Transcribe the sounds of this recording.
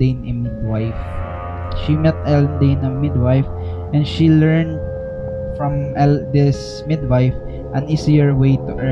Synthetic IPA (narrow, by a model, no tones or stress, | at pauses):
ejnɐmɪd̪̚wajf | ʃimɛt̪̚ɛlnd̪ejnɐmɪd̪wajf | ʔɛ̃nʃilɛɹnd̪̚ | fɹɔ̃mʔɛld̪ɪs | mɪd̪wajf | ʔɐ̃nisiəɹwejt̪uʔɛ